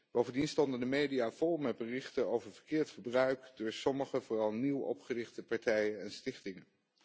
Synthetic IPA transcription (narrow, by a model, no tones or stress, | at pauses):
b̥owvəndinstɔndəndəmejdijaːv̥ɔlˠmɛt̚bərɪχtənowvəɹvəɹkɪːɹtχəbrœɥkdʊːɹsɔməχəvʊːrɑlˠniwɔ̰pχərɪχtəpɑɹtɛjənɛnstɪχtɪŋən